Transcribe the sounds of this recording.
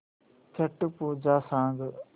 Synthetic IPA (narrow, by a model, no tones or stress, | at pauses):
t͡ʃʰɐʈpuːd͡ʒaːsãːŋɡ